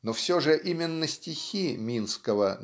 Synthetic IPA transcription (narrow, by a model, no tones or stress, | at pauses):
nofsʲoʐɨʔimʲɪnːəsʲtʲɪxʲimʲinskəvə